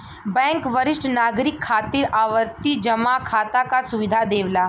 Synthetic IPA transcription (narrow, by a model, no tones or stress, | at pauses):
bɛ̃ːŋkʋəɾɪʃʈnaːɡɾɪkʰːaːt̪iːɾaːʋəɾt̪id͡ʒɐmakʰaːt̪akasʊʋɪd̪ʱad̪eːʋlaː